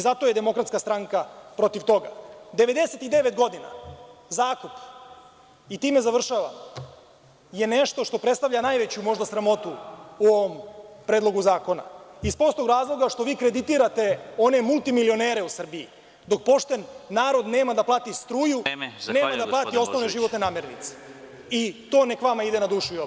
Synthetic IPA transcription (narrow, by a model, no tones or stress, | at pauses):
izat̪o̞je̞d̪e̞mo̞kɾat̪skast̪ɾaŋkapɾo̞t̪iʋt̪o̞ɡa̰d̪eʋe̞d̪eset̪id̪e̞ʋet̪ɡo̞d̪ina̰zaːkup | it̪iːme̞zaʋr̩ʃaːʋa̰m | je̞neʃt̪o̞ʃt̪o̞pɾet̪st̪aʋʎanaːjʋet͡ɕumo̞ʒd̪asɾamo̞t̪uuo̞ʋompɾeːd̪lˠo̞ɡuzaːko̞na̰ispo̞st̪oɡɾaːzlˠoɡaʃt̪o̞ʋiːkɾe̞d̪it̪iːɾat̪e̞o̞ne̞mulˠt̪imilio̞neɾe̞usr̩biḭ | d̪o̞k̚po̞ʃt̪e̞nːaːɾo̞d̪ne̞ːmad̪aplˠaːt̪ist̪ɾuːjuneːmad̪aplˠaːt̪io̞sno̞ʋneʒiʋot̪ne̞naːmeɾnḭt̪se̥ | it̪o̞ːne̞kʋamaid̪enad̪uːʃujo